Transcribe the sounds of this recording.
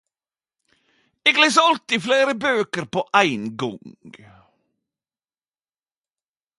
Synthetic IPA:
eːɡleːsəɑlt̪ɪfleːɾəbøːkəɾpoːʔæɪnɡɔŋɡ

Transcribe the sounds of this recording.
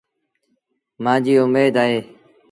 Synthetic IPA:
mãːd͡ʒiːʊmeːd̪aːɦeː

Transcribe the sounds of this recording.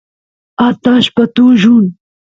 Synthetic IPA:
aːt̪aːʃpɐt̪uːʒuːn

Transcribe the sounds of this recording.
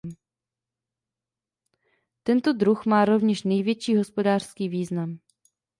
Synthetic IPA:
m | t̪ɛnt̪o̞dɾuxmaːɾo̞vɲɛʃnɛjvjɛt͡ʃiːɦo̞spo̞daːr̥skiːviːznam

